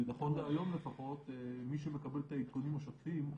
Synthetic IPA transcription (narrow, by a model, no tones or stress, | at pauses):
naχo̞nveajo̞mlefaχo̞t̪miʃemekabelt̪aikkunimaʃaffim